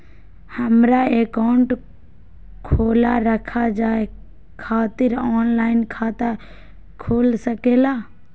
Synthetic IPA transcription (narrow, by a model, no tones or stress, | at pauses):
həmɾaekaʊɳʈ | kʰoːlaɾəkʰad͡ʒaːe | kʰaːt̪ɪɾɔːnlaːɪnkʰaːt̪a | kʰoːlsəkeːlaː